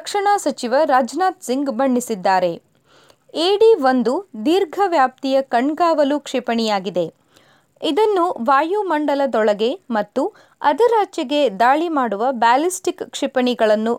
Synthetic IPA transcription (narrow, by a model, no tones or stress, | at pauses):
ɐkʂɐɳaːsɐt͡ʃiʋɐɾaːd͡ʒnaːt̪siŋɡbɐɳːisid̪ːaːɾe̞ | eːɽiʋond̪ud̪iːɾɡʱɐʋjaːp̚t̪ijɐkɐɳɡaːʋɐlukʂipɐɳijaːɡid̪e̞ | id̪ɐnːuʋaːjumɐɳɖɐlɐd̪ɔɭɐɡe̞mɐt̪ːu | ɐd̪iɾaːt͡ʃjɐɡe̞d̪aːɭimaːɽuʋɐbaːlisʈikkʂipɐɳiɡɐɭɐnːu